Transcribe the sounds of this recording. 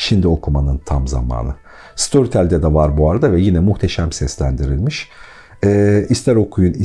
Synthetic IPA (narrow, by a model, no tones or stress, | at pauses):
ʃind̪io̞kʰumanɯnt̪ʰamza̰ma̰ːnˠɯ | st̪ʰo̞ɾit̪ʰælʲd̪ɛd̪ɛvaɾbuaɾad̪avɛjinɛmuxt̪ʰeʃæmsɛslʲænd̪iɾilʲmiʃ | ɛːist̪ʰæɾo̞kʰujuni